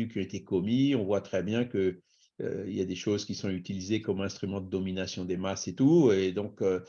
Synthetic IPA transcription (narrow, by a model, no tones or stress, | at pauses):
ykʲiɔ̃et̪ekɔmiɔ̃vwat̪χɛbjɛ̃kə | ø̰ḭljad̪eʃozkʲisɔ̃yt̪ilizekɔmɛ̃st̪χymɑ̃d̪əd̪ɔminasjɔ̃d̪emaset̪ued̪ɔ̃kø